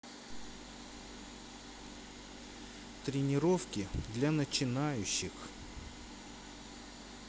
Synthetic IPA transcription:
t̪ɾʲɪnʲɪɾofkʲɪd̪lʲanət͡ɕɪnajʉɕːɪx

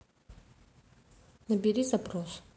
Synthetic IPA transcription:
nəbʲɪɾʲizɐpɾos

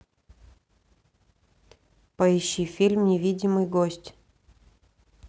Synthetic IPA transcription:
pɐɪɕːifʲilʲmnʲɪvʲidʲɪmɨjɡosʲtʲ

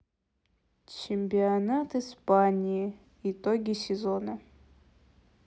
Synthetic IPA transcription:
t͡ʃɪmʲpʲiɐnat̪ɨspanʲiji | ɪt̪oɡʲɪsʲɪzo̞nə

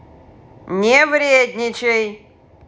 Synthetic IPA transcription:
nʲevɾʲed̪ʲnʲɪt͡ɕɪj

